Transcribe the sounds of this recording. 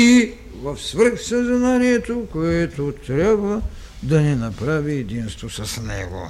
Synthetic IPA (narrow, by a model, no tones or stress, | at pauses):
i | vɐfsvəɾxsɐznaniɛt̪okoɛt̪ot̪ɾʲabvɐ | d̪ɐnɛnɐpɾaviɛd̪inst̪vosɐsnɛ̰ɡo̰